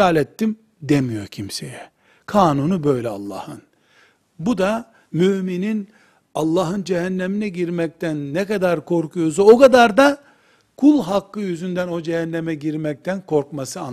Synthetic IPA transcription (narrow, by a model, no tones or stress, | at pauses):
aːlɛt̪ːim | d̪emijo̞cʰimsḛjɛ | kʰaːnunubø̞jlʲɛa̰lˠːɑ̰ːhɯn | bud̪a | myminin | alˠːɑːɦɯnd͡ʒɛɦænːeminɛɟiɾmɛc̚t̪ʰænːɛkad̪aɾkʰo̞ɾkʰujozaokad̪aɾd̪a | kʰulˠɦakːɯjyzynd̪æno̞d͡ʒɛhɛnːɛmɛɟiɾmɛc̚t̪ʰænkʰo̞ɾkmasɯa